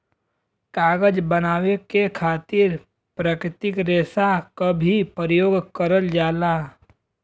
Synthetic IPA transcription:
kaːɡəd͡ʒbənaːwekekʰaːt̪ɪɾ | pɾəkɾɪt̪ɪkɾeːsakəbʱipəɾəjoːɡkəɾəld͡ʒaːlaː

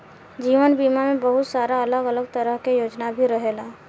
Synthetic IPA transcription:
d͡ʒiːʋənbiːmamẽbəɦʊt̪saːɾaɐləɡələɡ̚t̪əɾəɦkejoːd͡ʒnabʱiɾəɦelaː

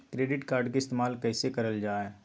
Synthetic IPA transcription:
kɾeːɖɪʈkaːɾɖk̬eɪst̪eːmaːlkɛːsekɐɾəld͡ʒaːɦɛː

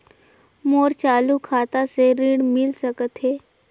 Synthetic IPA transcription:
moɾt͡ʃalukʰat̪aseɾiːɽmilsəkət̪ɦe

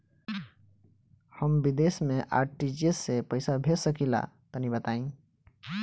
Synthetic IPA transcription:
həmbid̪esmẽʔa̰ɾʈid͡ʒesːepəɪsabʱesəkila̰t̪ənibət̪aĩ

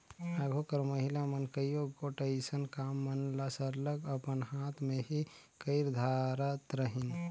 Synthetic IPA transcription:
aɡʱokəɾməɦilamənkəjoɡoʈeɪsənkamːənlasəɾləɡəpənhat̪ʰmẽɦi | kəɪɾd̪ʱaɾət̪ɾəɦin

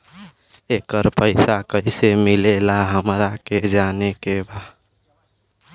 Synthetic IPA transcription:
ekəɾpəɪsakəisemilelaɦəmɾaked͡ʒanekeba

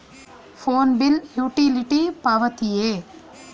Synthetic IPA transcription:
foːnbɪljuːʈiliʈipaːʋɐt̪ijeː

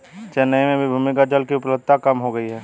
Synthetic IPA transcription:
t͡ʃɛnəemẽbʱibʱumɪkad͡ʒəlkiʊplət̪akɐmɦoɡəiɦɛː

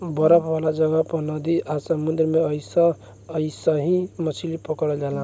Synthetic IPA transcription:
bəɾəpʰbʱəlad͡ʒəɡəpnʌd̪iʔasəmund̪ɾmeəjsʌ̃ː | isəɦĩmət͡ʃʰilipəkəɽɔd͡ʒalã

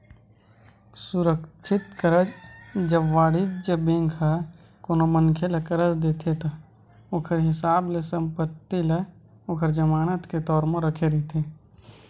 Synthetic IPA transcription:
sʊɾəkt͡ʃʰɪt̪kəɾəd͡ʒd͡ʒəbʋaːɽid͡ʒd͡ʒəbẽːŋkʰa | koːnomənkʰelekəɾəd͡ʒd̪eːt̪ʰet̪a | oːkʰəɾɦɪsaːblesə̃mpət̪ːile | oːkʰəɾd͡ʒəmaːnət̪ket̪ɔːɾmə̃ɾəkʰeɾet̪ʰe

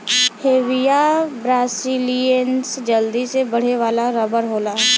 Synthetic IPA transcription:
heːʋijabɾaːsilijənsd͡ʒəld̪isebəɽ̤eʋaːlaɾəbəɾɦoːlaː

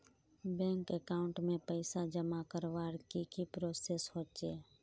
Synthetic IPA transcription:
bɛ̃ːŋkekaːʊ̃ɳʈmẽpəɪsad͡ʒəmakəɾʋaːɽkikipɾoːseshoːt͡ʃeː

